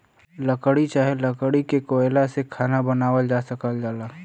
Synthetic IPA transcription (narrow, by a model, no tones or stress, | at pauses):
ləkəɽit͡ʃaːɦeləkəɽikekoːelasekʰaːnabənaːwəld͡ʒaːsəkəld͡ʒaːlaː